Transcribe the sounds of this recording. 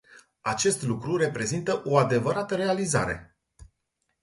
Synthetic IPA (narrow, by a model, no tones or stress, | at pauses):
at͡ʃe̞st̪lukɾuɾe̞pɾe̞zint̪əʔo̞ad̪e̞vəɾat̪əɾe̞aliza̰ɾe̞̰